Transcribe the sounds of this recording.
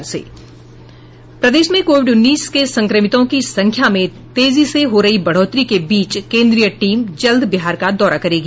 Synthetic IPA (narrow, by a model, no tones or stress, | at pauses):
sḛː | pɾɐd̪eːʃmẽkoːʋɪɖʊnːiːskesɐ̃ŋkɾəmɪt̪õkisɐ̃ŋkʰjamẽ | t̪eːziseɦoɾɐɦibɐɽ̤ɔːt̪ɾikebiːt͡ʃkẽːnd̪ɾijəʈiːmd͡ʒɐld̪bɪɦaːɾkad̪ɔːɾakɐɾeːɡ